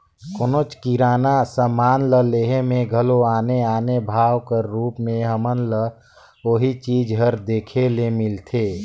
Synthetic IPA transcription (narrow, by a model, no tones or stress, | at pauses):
konot͡ʃkiɾaːnasəmaːnləleːɦemẽɡʱəloaːneaːnebʱaːwkəɾːuːpmẽɦəmənlə | oːɦit͡ʃiːd͡ʒɦəɾd̪eːkʰelemɪlt̪ʰeː